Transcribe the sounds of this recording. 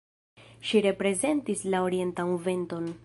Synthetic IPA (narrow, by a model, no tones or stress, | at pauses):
ʃiɾe̞pɾe̞ze̞ntislao̞ɾie̞ntamuve̞nto̞n